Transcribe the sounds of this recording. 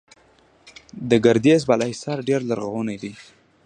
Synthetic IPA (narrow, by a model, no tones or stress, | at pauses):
d̪əɡaɾd̪ezbalaisɑɾɖeɾlaɾɣawənajd̪i